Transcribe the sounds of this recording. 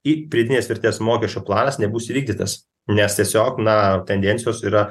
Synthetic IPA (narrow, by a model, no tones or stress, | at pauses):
ipʲɾʲiɛd̪ʲɪnʲeːsʋʲɪrʲt̪ʲeːsmoːkʲɛʃʲt͡ʃʲoplˠɑːnɐsnʲɛbuːsiːʋʲiːɡ̚d̪ʲiːt̪ɐs | nʲɛst̪ʲiɛsʲoːknɐt̪ʲɛnʲd̪ʲɛnʲtsʲɪjoːsiːɾɐ